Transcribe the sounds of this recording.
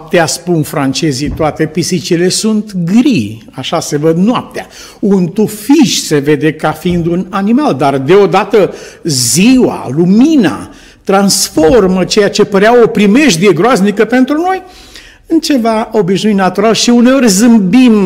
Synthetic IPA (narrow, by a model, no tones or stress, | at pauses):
p̚t̪easpunfɾant͡ʃe̞zit̪oat̪e̞pisit͡ʃile̞sunt̪ɡɾi | aʃase̞vəd̪nʊap̚t̪ea | unt̪ufiʃse̞ve̞d̪e̞kafiind̪unanimald̪ard̪e̞o̞d̪at̪əziwa̰lumina̰ | t̪ɾansfo̞rmət͡ʃe̞jat͡ʃe̞pəɾeawopɾime̞ʃd̪ieɡɾoaznikəpe̞nt̪ɾuno̞j | ɨnt͡ʃe̞vao̞biʃnujnat̪uɾalʃiuneo̞rʲzɨmbim